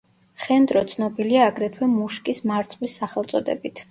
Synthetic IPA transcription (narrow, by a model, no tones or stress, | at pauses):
χɛnd̪ɾɔt̪sʰnɔbiliaːɡɾɛt̪ʰwɛmuʃkʼismaɾt̪sʼwisːaχɛlˠt̪sʼɔd̪ɛ̰bit̪ʰ